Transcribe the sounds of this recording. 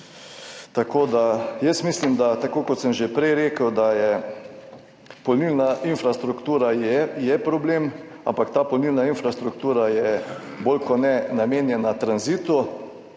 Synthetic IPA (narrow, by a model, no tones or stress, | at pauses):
t̪akoːd̪ajɛsmislimd̪at̪akoːkɔt̪səmʒepɾɛjɾeːkəwd̪ajɛ | pɔlnilnaʔinfɾast̪ɾukt̪uːɾajɛjɛpɾɔbleːm | a̰mpakt̪aːpɔlniːlnainfɾast̪ɾuk̚t̪uːɾajɛboːlkɔnɛnameːnjɛnat̪ɾanzit̪u